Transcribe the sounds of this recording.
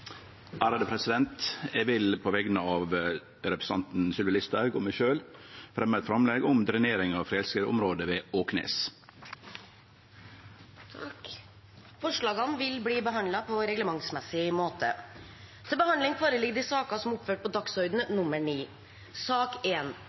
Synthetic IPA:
ʔæːɾɑd̪əpʰɾɛsɪd̪ɛnt̪ɛʋɪlpʰoʋɛɡənəɑːʋ | ɾɛpɾəsɑnt̪n̩sʏlʋɑlɪst̪æɾɡɔmæɪʃøːlfɾɛmːəɛt̪fɾɑmlɛɡɔmd̪ɾɪneːɾɪŋɑfɾɛlskəʊ̰mɾoːd̪əʋeːoːknḛːs | t̪ʰ | fɔʂɭɑːɡɑnʋɪlbliːbəɦɑnd̪lɑpʰɔɾɛɡləmɑŋsmɛsɪmoːt̪ə̰ | t̪ʰɪlbəhɑnd̪lɪŋfʰɑːɾəlɪɡd̪ɪsɑːkɑsɔmʊpføːʈ̚pɔd̪ɑkshœʏd̪n̩ənʊmːəɳiː | sɑːkeːn

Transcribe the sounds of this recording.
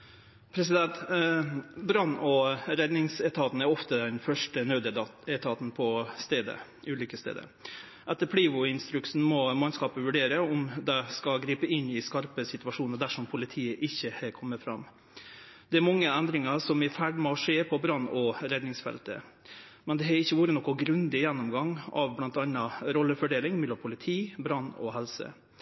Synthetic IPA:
pʰɾɛsɪd̪ɛnt̪ | bɾɑnːɔɾɛd̪nɪŋsɛt̪ʰɑːt̪n̩æɾɔft̪əd̪ɛnfœʂʈənœːd̪ɛt̪ʰɑːt̪n̩pʰɔst̪eːd̪ə̰ | ʉːlʏkəst̪ḛːd̪ə̰ | ʔɛt̪ːəpʰliːʋʊɪnst̪ɾʉksn̩mɔmɑnskɑːpəʋʉɖeːɾəɔmd̪ɛskɑɡɾiːpəɪnːɪskɑɾpəsɪt̪ʉɑʂuːnəd̪æʂɔmpʰʊlɪt̪ʰiːəʔɪçːəhɛkʰɔmːəfɾɑm | d̪ɛæɾmɑŋːəɛnd̪ɾɪŋɑʂɔmɪfæɖmɔʂeːpʰɔbɾɑnːɔɾɛd̪nɪŋsfɛ̰lt̪ə̰ | mɛnd̪ɛɦɑɾɪçːəʋuːɾənɔkːʊɡɾʉnd̪ɪjɛnːɔmɡɑŋːɑ̰ʋblɑnt̪ɑnːɑɾɔlːəfɔɖeːlɪŋmɛlːɔmpʰʊlɪt̪ʰiːbɾɑnːɔ̰ɦɛlsə̰

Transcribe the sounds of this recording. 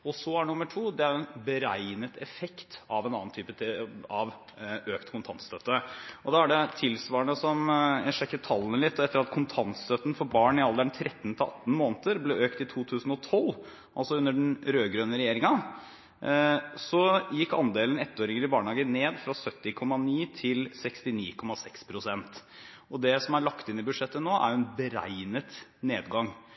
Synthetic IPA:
ɔsɔæɳʊmːəʈʰuːd̪ɛæɾɛnbəɾæɪnət̪ɛfɛkt̪ɑʋɛnɑ̰nnt̪ʰyːpət̪ʰɪɑʋ | øːkt̪kʰʊnt̪ʰɑnt̪st̪œt̪ːəʔɔd̪ɑæɖɛt̪ʰɪlsʋɑːəɳəsɔmjæɪʂɛkːət̪ʰɑlːənəlɪt̪ːɛt̪ːəɾɑt̪kʰʊnt̪ʰɑnt̪st̪œt̪ːən̩fɔɾbɑːɳɪɑld̪æɳt̪ʰɾʔɛt̪ːnt̪ʰɪlɑ̰t̪ːn̩moːnt̪əɾblɛøːkt̪ɪt̪ʰuːt̪ʰʉːsn̩ɔt̪ʰɔlː | ʔɑlsɔʉnːəɖn̩ɾøːɡɾøːnəɾɛjeːɾɪŋɑ | sɔjɪkːɑ̰nd̪eːlənɛt̪ːoːɾɪŋəlɪbɑːɳhɑːɡəneːd̪fɾɑsœt̪ːɪkʰɔmːɑniːt̪ʰɪlsɛkst̪ɪniːkʰɔmɑsɛkspʰɾʊsɛnt̪ | ɔd̪ɛsɔmæɭɑkt̪ɪnːɪbʉd̪ʂɛt̪ːənoːʔæ̰jɛnbəɾæ̰ɪnət̪neːd̪ɡɑŋ

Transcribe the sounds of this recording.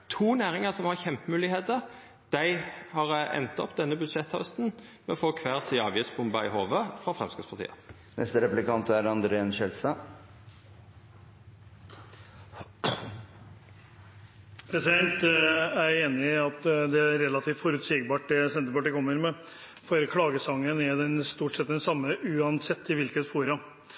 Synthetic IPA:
t̪ʰuːnæːʁɪŋəsɔmhɑʁçɛmpəmʉːlɪheːt̪əʁ | d̪̥æɪhɑʁɛ̰nt̪ɔ̰pd̪ɛnːəbʉd̪ʂɛt̪ʰːhœst̪n̩mɛɔfoːkʰʋæːʁsiːɑːʋjiːsbʊmbɑɪ̰ɦoːʋəfʁɑfʁɛmskəspɑʁt̪ḭːə̰ | nʔɛ̰st̪əɾɛplɪkɑnt̪æɾɑnd̪ɾɛɛnʃɛlst̪ɑ | pʰɾɛsɪd̪ɛnt̪æeːnɪɑt̪d̪ɛæɾːɛlɑt̪ʰiːft̪fɔɾʉt̪siːɡbɑːʈ̚d̪ɛsɛnt̪əpɑʈiːkʰɔmːəɾmɛ | fɔɾkʰlɑːɡəsɑŋːənæd̪ɛnst̪uːʈʂɛt̪̚d̪ɛnsɑmːəʔʉːɑnsɛt̪ʰːɪʋɪlkət̪fuːɾɑ

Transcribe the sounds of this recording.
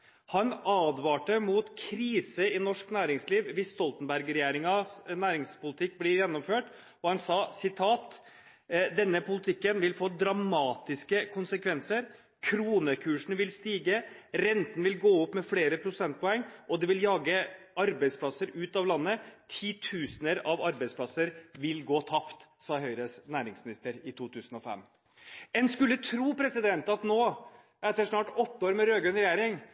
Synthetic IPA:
hɑnɑːd̪ʋɑːʈəmuːt̪kʰɾiːsəɪnɔʂknæːɾɪŋsliːʋʋɪst̪ɔlt̪ənbæɾɡɾɛjæːɾɪŋɑsnæːɾɪŋspʊlɪt̪ʰɪk̚ːblɪɾjɛnːɔmføːʈ | ɔhɑnsɑːsɪt̪ʰɑːt̪ | d̪ɛnːəpʊlɪt̪ʰɪkːənʋɪlfoːd̪ɾɑmɑːt̪ɪskəkʰʊnsəkʰʋɛnsəɾ | kʰɾuːnəkʰʉːʂn̩ʋɪlst̪iːɡəɾɛnt̪ən̩ʋɪlɡoːɔpːmɛfleːɾəpʰɾʊsɛnt̪̚pʰɔɛŋːʔɔd̪ɛʋɪljɑːɡəɑɾbæɪspʰlɑsəɾʉːt̪ɑʋlɑnːət̪ʰiːt̪ʰʉːsnəɾɑʋɑɾbæɪspʰlɑsəɾʋɪlɡoːt̪ʰɑpt̪sɑːɦœʏɾəsnæːɾɪŋsmɪnɪst̪əɾɪt̪ʰuːt̪ʰʉːsn̩ɔfɛ̰mː | ɛnskʉlːət̪ʰɾuːpʰɾɛsɪd̪ɛnt̪ɑt̪noː | ɛt̪əʂnɑːʈɔt̪ːəoːɾmɛɾøːɡʉnɾɛjæːɾɪŋ

